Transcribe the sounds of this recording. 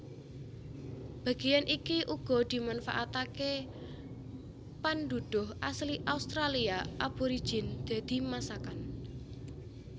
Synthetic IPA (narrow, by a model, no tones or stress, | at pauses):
b̥a̤ɡ̥ejanʔikiʔuɡ̥ɔ̤d̪̥i̤manfaʔat̪ake | pand̪ud̪̥ʊɦʔasliʔaust̪ɾaliaʔab̥oɾi̥ʒ̥ɪnd̪̥a̤d̪̥i̤masakan